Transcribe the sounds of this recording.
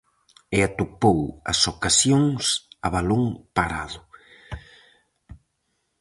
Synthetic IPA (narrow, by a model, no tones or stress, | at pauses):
ɪat̪upowɐ̰sokasjoŋsaβaloŋpaɾaðʊ